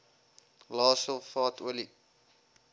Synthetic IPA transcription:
lɑːsəlˠfɑːtʰuəli

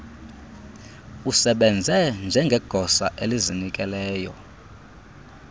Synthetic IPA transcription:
usɛɓɛnd͡zʱɛnd͡ʒʱɛŋɡʱɛɡ̥ʱɔsaʔelizinikʼɛlɛːjɔ̰

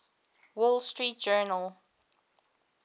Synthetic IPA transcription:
wɔlstɹiːt̚d͡ʒɜːnəlˠ

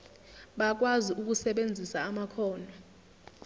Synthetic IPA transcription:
ɓak̬waziuk̬usɛɓend͡zʱisaːmakʰɔːnɔ

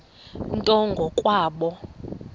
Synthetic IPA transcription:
ntʼɔŋɡʱɔkʼwaːɓɔ

